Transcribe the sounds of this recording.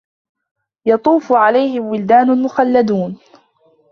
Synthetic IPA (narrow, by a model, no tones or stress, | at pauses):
jɑt̪ˤuːfʊʕalajhɪmwɪld̪aːnʊmʊxalːad̪uːn